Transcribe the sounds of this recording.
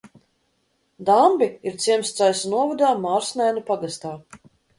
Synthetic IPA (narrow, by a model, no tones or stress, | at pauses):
d̪ambiiɾt̪siɛmst̪sajsnuɔvɔd̪aːmaːɾsnʲajnupaɡast̪aː